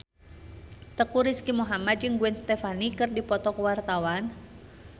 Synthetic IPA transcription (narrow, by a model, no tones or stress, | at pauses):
t̪əkuɾiskimuɦamad̪̚d͡ʒɨŋɡuɛnst̪ɛfanikɨrdipɔt̪ɔkəwart̪awan